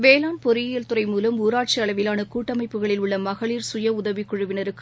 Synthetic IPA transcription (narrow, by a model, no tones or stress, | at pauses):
ʋeːlaːnpɔɾɪjɪjɐlt̪ɯrɐɪmuːlɐmuːɾaːʈ̚t͡ʃiɐɭɐʋɪlaːnɐkuːʈːɐmɐɪpːɯɣɐɭɪlʊɭːɐmɐɣɐɭiːɾsʊjɐʊðɐʋɪkːʊɻɯʋɪnɪɾɯkːɯ